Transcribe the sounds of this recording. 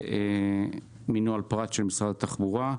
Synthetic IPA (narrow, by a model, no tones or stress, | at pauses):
e | minualpʁat̪ʃelmisʁad̪at̪aχbuʁa